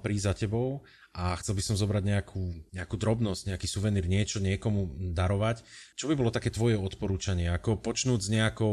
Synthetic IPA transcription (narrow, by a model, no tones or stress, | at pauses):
pɾizacɛbɔʊ | ʔaxt͡sɛlbisɔmzɔbɾaɟɲɛakʰuːɲɛakuːd̪ɾɔbnɔzɟ̥ɲɛakiːsuʋɛniːɾɲɪɛt͡ʃɔɲɪɛkɔmud̪aɾɔʋact͡ʃɔbibɔlɔt̪akɛːt̪ʋɔjɛɔt̪pɔɾuːt͡ʃaɲɪɛakɔpɔt͡ʃnuːd͡zɲɛakɔ